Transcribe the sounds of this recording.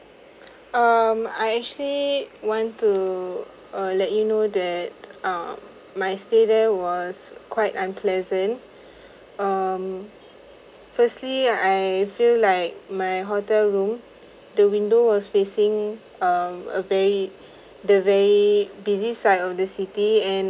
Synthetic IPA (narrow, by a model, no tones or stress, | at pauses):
ʌma̰jɛk̚t͡ʃuəliwɔ̃ntːu | ʌlɛt̚junodɛt̚ʌmː | ajstedɛwɔskwaɪtãnpʰlɛzə̃nt | ʌm | fəstliajfillaɪk̚majɦɔtɛlɹũm | dəwĩndowɔsfesĩŋ | ʌmə̰vɛɹi | dəvɛɹibizisaɪdɔfdəsitiɛ̃n